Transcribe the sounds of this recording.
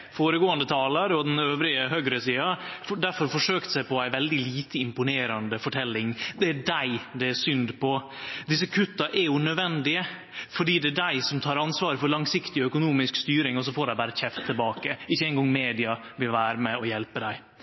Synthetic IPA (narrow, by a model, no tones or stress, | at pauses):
foːɾəɡoːɑnd̪ət̪ʰɑːlɑɾɔd̪ɛnøːʋɾɪəɦœɡɾəsiːɑfɖ̪æɾfɔɾfɔʂøːkt̪sæɪpɔæɪʋɛld̪ɪliːt̪əɪmpʊneːɾɑnd̪əfɔʈʰɛlːɪŋd̪ɛæɖæɪd̪ɛæsʏnd̪pʰɔ | d̪ɪs̬ːəkʰʉt̪ːɑʔɛɾjʊnœd̪ʋɛnd̪ɪə | fɔɖiːd̪ɛæɖæɪsɔmt̪ʰɑːɾɑnsʋɑːɾəfɔɾɭɑŋsɪkt̪ɪœkʊnuːmɪskst̪yːɾɪŋɔs̬ɔfoːɖæɪbæːɾəçɛft̪ʰːɪlbɑːkəɪçːəɛɪŋɡɔŋːmeːd̪ɪɑ | ʋɪlʋæːɾəmɛɔjɛlpəd̪æɪ